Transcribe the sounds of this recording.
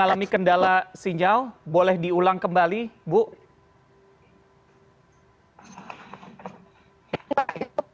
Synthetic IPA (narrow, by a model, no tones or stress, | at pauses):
alamikəndalasiɲawbolɛhdiulaŋkəmbalibʊʔ